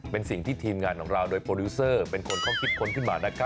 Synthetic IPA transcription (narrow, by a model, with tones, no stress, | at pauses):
pe˧nsi˨˩ŋt̪ʰiː˥˩t̪ʰiː˧mŋaː˧nkʰɔː˩˦ŋɾaː˧wdoː˧jpʰoː˧uː˦˥sɤː˥˩pe˧nkʰo˧nkʰɾɔː˥˩mkʰi˦˥t̪̚kʰo˧nkʰɯ˥˩nbaː˨˧˩na˦˥kʰa˦˥